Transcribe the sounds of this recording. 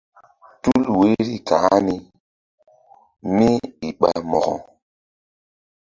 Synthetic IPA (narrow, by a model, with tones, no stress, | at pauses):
tu˦lwe˦ɾi˦ka˨˦ni˦ | mi˦i˨ɓa˨mɔ̰˨ɣɔ̰˨